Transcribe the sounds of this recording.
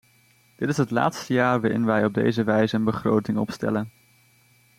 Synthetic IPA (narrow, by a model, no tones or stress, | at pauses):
d̥ɪtɪsɦətla̰ːtstəjaːɹʋaːɾɪ̰nʋɛjɔb̚dḛjzəʋɛjzəənbəχrowtɪŋɔ̰pstɛ̰lən